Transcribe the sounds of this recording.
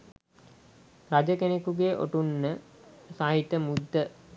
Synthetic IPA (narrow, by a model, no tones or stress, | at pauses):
rad͡ʒəkenekuɡeːʔo̰ʈunːəsaːɦit̪əmud̪ːə